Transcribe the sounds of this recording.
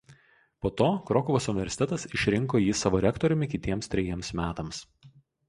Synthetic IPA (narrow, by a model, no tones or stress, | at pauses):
poːt̪oːkɾɔkɔʋoːsʊnʲɪʋʲɛɾʲsʲɪ̥t̪ʲɛt̪ɐsɪʃʲɾʲɪŋkoːjiːsɑːʋoːɾʲɛkt̪ɔɾʲʊmʲɪkʲɪt̪ʲiɛmst̪ʲɾʲɛjiɛmsmʲæːt̪ɐms